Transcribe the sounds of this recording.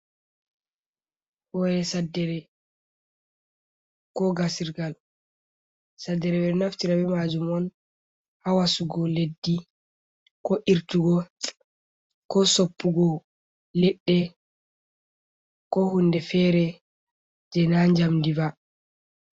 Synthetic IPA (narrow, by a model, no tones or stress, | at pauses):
hɔjɛsadːɛɾɛ | kɔɡasiɾɡal | sadːɛɾɛbɛɾnaftiɾabɛmad͡ʒumɔn | hawasuɡɔledːi | kɔʔiɾtuɡɔ | kɔsopːuɡɔ | lɛɗːɛ | kɔhunːdɛfɛɾɛ | d͡ʒɛnaɲd͡ʒamdiva